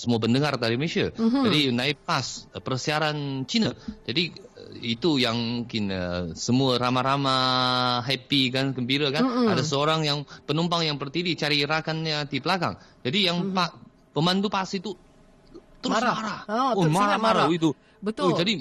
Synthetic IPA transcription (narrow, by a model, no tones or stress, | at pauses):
səmuap̬əndəŋard̪aɾiməisiad͡ʒadinaɪpːaspərsiaɾant͡ʃinad͡ʒadiit̪ujaŋkɪnəsəmuaɾamaɾamaɦɛpikankəmbiɾakanadas̬əoɾaŋjaŋpənumpaŋjaŋpərt̪idit͡ʃaɾiɾakanɲadibəlaka̰ŋd͡ʒadijaŋpa | pəmant̪upasit̪u | t̪əmɾʊsmaɾaomaɾamaɾait̪u | ət̪od͡ʒadi